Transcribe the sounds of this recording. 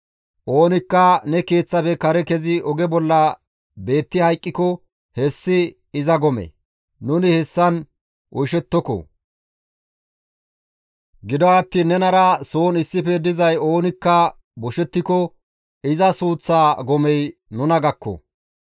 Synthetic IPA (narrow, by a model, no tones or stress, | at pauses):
ʔoːnɪkːɐnɛke̞ːt͡sːɐpɛkɐɾɛkɛzɪʔɔɡɛbɔlːɐ | be̞ːt̪ːɪhɐjkʼːɪkɔ | hɛsːɪ | ɪzɐɡɔmɛ̰ | nʊnɪhɛsːɐn | ʔɔjʃɛt̪ːɔkɔ̰ | ɡɪd̪ɔɐt̪ːiːnːɛnɐɾɐso̞ːnɪsːɪfɛd̪ɪzɐjo̞ːnɪkːɐ | bɔʃɛt̪ːɪkɔ | ɪzɐsuːt͡sːaːɡɔmɛjnʊnɐɡɐkːɔ̰